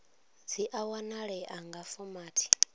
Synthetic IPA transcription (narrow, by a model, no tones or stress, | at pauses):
d͡ziʔawanaɺɛʔaŋɡafɔmaːtʰi̥